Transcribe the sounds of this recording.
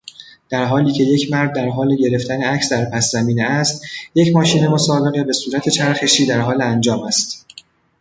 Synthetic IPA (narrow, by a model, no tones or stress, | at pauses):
d̪̥æɾɦɒːliːcʰe̞je̞cʰmæɾd̪̚ːæɾɦɒːleɟe̞ɾe̞ft̪ʰæneæcsd̪æɾpʰæsːæmiːneæst̪jecʰmɒːʃiːne̞mosɒːbe̞ɣe̞be̞suːɾæt̪ʰe̞t͡ʃʰæɾxe̞ʃiːd̪æɾɦɒːleænd͡ʒɒːmæst̪